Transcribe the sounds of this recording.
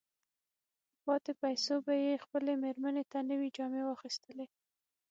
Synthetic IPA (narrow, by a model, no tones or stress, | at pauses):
pɑt̪epajsobajexpəlemeɾmənet̪anəwid͡ʒɑmewɑxist̪əle